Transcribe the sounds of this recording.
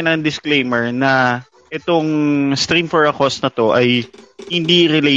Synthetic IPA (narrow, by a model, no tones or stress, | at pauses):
nɐŋd̪ɪsklejmɛɹnɐ | ʔɛt̪oŋst̪ɾimfɔɹɐkosnɐt̪o̞ʔɐjhɪnd̪iɾɪle